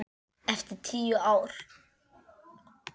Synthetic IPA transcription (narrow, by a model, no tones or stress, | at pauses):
ɛft̪ɪɾ̥t̪ʰiːjuaːwɾ̥